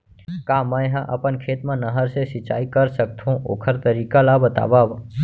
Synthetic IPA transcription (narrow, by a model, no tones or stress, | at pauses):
kamə̃jɦãʔəpənkʰet̪mãnəɦəɾsesit͡ʃa̰ikəɾsək̚t̪ʰũʔo̰kʰəɾt̪əɾikalabət̪a̰ʋaʋ